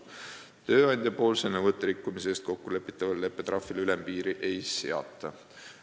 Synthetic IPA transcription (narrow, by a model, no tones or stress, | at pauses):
t̪ø̞ːɑjnʲd̪̥ʲjɑpo̞ːlsenːevɤt̪ːˑeɾikːumiseːst̪̚ko̞kːule̞pːˑi̥t̪ˑːɑvɑlle̞pːˑet̪rɑfːˑilylempiːɾiʔe̞jseɑ̰t̪ːˑɑ